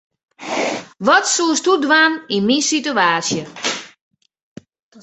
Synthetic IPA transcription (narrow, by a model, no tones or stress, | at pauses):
ʋɔtsuəstudʋaninminsituaːsjə